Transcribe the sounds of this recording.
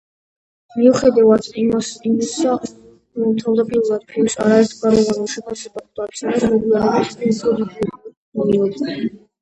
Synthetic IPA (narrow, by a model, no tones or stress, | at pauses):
miuχɛd̪avadt̪ʼimasimia | t̪ʰavd̪apʼiɾuɾad̪̥pʰiusa̰ɾaɛɾt̪ʰɡaɾɔvanuʃɛpʰasɛbakd̪atsʰʼinasmɛɡiaɾaɾispʰiupʰɔd̪id̪ | ɔniɔd̪ɛ